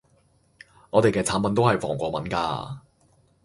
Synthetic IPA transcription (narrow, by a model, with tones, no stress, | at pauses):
ŋɔː˨˧t̪e˨jkɛː˧t͡sʰaː˨˥npɐ˨˧nt̪o˥whɐ˨jfɔ̰ː˨˩ŋkʷɔː˧mɐ˨˦nka̰ː˧